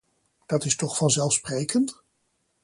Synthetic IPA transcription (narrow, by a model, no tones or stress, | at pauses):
d̥ɑtɪstɔχfɑnzɛlˠfsprejkənt